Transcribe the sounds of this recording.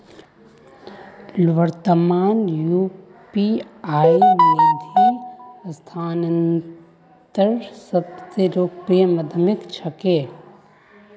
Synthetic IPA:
lʋəɾt̪əmaːnju | piaːinid̪ʱist̪ʰaːnən | t̪əɾsəbseɾoːkpeməd̪ʱmɪkt͡ʃʰəkeː

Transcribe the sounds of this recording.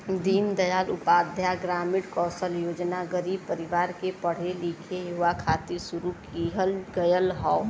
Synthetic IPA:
d̪iːnd̪əjaːlʊpaːd̪ʱjaɡɾaːmɪɽkɔːsəljoːd͡ʒnaɡəɾiːb̚pəɾɪʋaːɾkepəɽ̤eliːkʰejuʋakʰaːt̪isuɾukiɦəlɡəjəlɦɔː

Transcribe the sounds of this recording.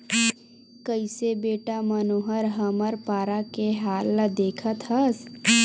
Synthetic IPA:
kəɪsebeːʈamɐnoːɦəɾɦɐməɾpaːɾakeɦaːlːɐd̪eːkʰət̪ʰɦɐs

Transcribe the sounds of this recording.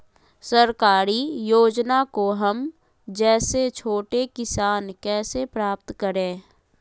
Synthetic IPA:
səɾkaːɾijoːd͡ʒnakoɦəm | d͡ʒɛːset͡ʃʰoːʈekɪsaːnkɛːsepɾaːp̚t̪kəɾẽː

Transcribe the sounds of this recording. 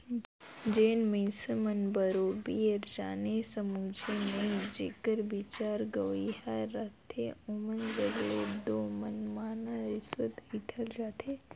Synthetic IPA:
d͡ʒeːnmĩsəmənbəɾoːbiəɾd͡ʒaːnesəmuːd͡ʒʱemẽd͡ʒeːkəɾbit͡ʃaːɾɡəʋiɦaːat̪ʰeʊmənɾəɡled̪oːmənmaːnaɾɪswət̪hit̪ʰəld͡ʒaːt̪ʰeː

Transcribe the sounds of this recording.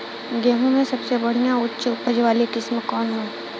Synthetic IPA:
ɡɛːɦõmẽsɐbsebɐɽ̤ijãʊtːʃpəd͡ʒʋaːlekɪsmkɔːnɦɛ̃ː

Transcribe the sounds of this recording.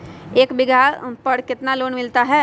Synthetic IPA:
eːkbɪɡʱapəɽkɪt̪naloːnmɪlt̪aɦɛː

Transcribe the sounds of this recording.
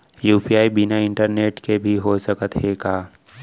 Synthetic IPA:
juːpiaːibɪnaɪ̃ɳʈəɾneːʈkebʱiɦosəkət̪ɦeːkaː

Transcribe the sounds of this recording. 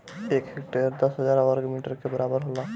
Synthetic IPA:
ekɦekʈeɾd̪əsɦəd͡ʒaɾɔəɾɡmiʈəɾkebəɾabəɾɦolɔ

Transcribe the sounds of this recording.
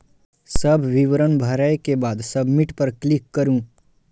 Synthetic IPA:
sɐbʱʋɪʋɾənbʱəɾəjkebaːd̪sɐbʱmɪʈpɐɾklɪkːɐɾũ

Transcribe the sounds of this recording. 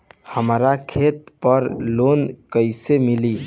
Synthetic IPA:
həmɾakʰet̪pəɾlonkəɪsemili

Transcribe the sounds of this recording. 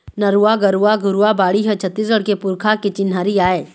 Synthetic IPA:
nɐɾuaɡəɾuaɡʊɾuabaːɽiɦə̃t͡ʃʰət̪ːiːsɡəɽkepʊɾkʰaket͡ʃɪnɦaːɾiaːeː

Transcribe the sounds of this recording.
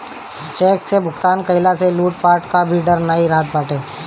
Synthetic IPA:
t͡ʃɛːksebʱʊkt̪aːnkəɪlaseluːʈ̚paːɾʈkabʱiɖəɾnəiɾaːt̪̚baːʈeː

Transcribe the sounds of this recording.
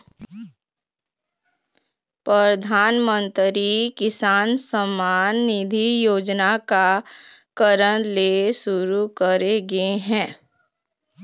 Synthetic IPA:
pɾəd̪ʱaːnmə̃nt̪ɾikɪsaːnsəmaːnːɪd̪ʱijoːd͡ʒnakakəɾəñlesʊɾukəɾeɡeɦɛ̃ː

